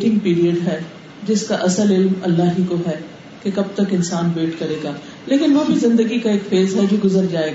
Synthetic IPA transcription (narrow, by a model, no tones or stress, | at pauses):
ʈɪ̃ŋɡ̚piːɾiəɖɦɛː | d͡ʒɪskaʔɐsəlɪlmɐ̰lːaːɦikoɦɛː | kekɐb̚t̪ɐkɪ̃nsaːnbeːʈkɐɾeːɡaː | leːkɪnʋoːbʱizɪ̃nd̪əɡikaeːkfeːzɦɛd͡ʒoːɡʊzəɾd͡ʒaːeːɡ